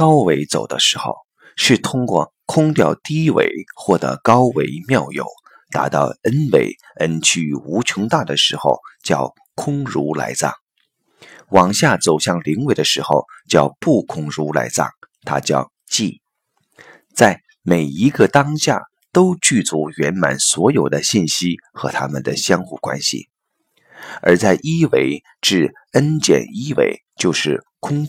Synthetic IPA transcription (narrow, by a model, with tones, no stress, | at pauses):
kɑ˥ʊwe˧˥ɪt͡so̰˨˩ʊd̪ə̰˦ʂɻ̩˧˥xo̰˥˧ʊ | ʂɻ̩˥˩t̪ʰʊ˥ŋkwɔ̰˥˧ | kʰʊ˥ŋt̪jɑ˥˩ʊt̪i˥wḛ˧˥˩ɪxwɔ˥˩d̪ə̰˧˥kɑ˥ʊwe˧˥ɪmjɑ˥˩ʊjo̰˨˩˦ʊ | t̪a̰˧˥t̪ɑ˥˩ʊə˥nwe˧˥˩ɪ | ə˥nt͡ɕʰy˥u˧˥t͡ɕʰʊ˧˥ŋt̪a˥˩d̪ə˩ʂɻ̩˧˥xo̰˥˧ʊt͡ɕjɑ˥˩ʊ | kʰʊ˥ŋɻu˧˥la̰˧˥ɪt͡sɑ̰˥˩ŋ | wɑ˨˩ŋɕja˥˩t͡so˨˩ʊɕjɑ˥˩ŋli˧˥ŋwe˧˥ɪd̪ə˧ʂɻ̩˧˥xo˥˧ʊt͡ɕjɑ˥˧ʊpu˥˩kʰʊ˥ŋɻu˧˥la̰˧˥ɪt͡sɑ̰˥˩ŋt̪ʰa̰˥t͡ɕjɑ̰˥˧ʊ | t͡ɕi˥˩ | t͡sa˥˩ɪ | me˨˩ɪi˧˥ɡə˧t̪ɑ˥ŋɕja̰˥˩ | t̪o˥ʊt͡ɕy˥˩t͡su˧˥ɥɛ˧˥nma̰˨˩nswɔ˧˥jo˨˩ʊd̪ə˦ɕi˥˩nɕi˥ | xɤ̰˧˥t̪ʰa˥mə˨nd̪ə˩ɕjɑ˥ŋxu˥˩kwa̰˥nɕḭ˨˩ | ə˞˧˥t͡sa˥˩ɪʔi˥we˧˥ɪ | ʈ͡ʂɻ̩˥˩ | ə˥nt͡ɕjɛ̰˨˩ni˥wḛ˧˩ɪ | t͡ɕjo˥˧ʊʂɻ̩˥˩kʰʊ˥ŋ